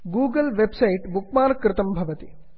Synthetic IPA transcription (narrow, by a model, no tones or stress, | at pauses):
ɡuːɡəlʋebsɐiʈbukmaːnɐkɾɪt̪ɐmbʱɐʋɐt̪i